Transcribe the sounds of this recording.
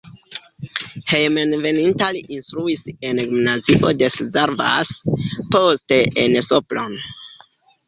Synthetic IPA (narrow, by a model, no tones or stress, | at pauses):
hejmenve̞nintaliʔinst̪ɾuisenɡimnaziʔo̞de̞szeɾva̰sposteensoplo̞n